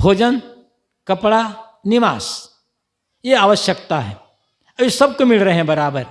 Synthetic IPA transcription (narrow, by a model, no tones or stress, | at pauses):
bʱoːd͡ʒən | kɐpɽa | nɪʋaːs | jeaːʋəʃjəkt̪aɦɛ̰ː | ɐbisɐb̚komɪlɾɐɦeɦɛ̃bɐɾaːbəɾ